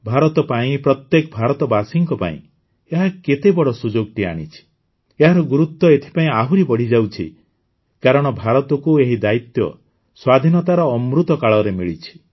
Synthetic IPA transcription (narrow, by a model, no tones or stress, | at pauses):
bʱaɾɔt̪ɔpaĩpɾɔt̪jekɔbʱaɾɔt̪ɔbasiŋkɔpa̰ḭ̃ | eɦaket̪ebɔɽɔsud͡ʒoɡ̚ʈia̰ɽ̃it͡ʃʰi̥ | eɦaɾɔɡuɾut̪ːɔet̪ʰi̥paĩaɦuɾibɔɽ̤id͡ʒawt͡ʃʰḭ | kaɾɔɽ̃ɔbʱaɾɔt̪ɔkueɦid̪ait̪jɔ̰ | swad̪ʱinɔt̪aɾɔːmɾut̪ɔkaɭɔɾemiɭit͡ʃʰi̥